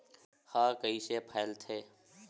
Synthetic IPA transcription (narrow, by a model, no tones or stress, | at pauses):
hãːkəisepʰaːlt̪ʰeː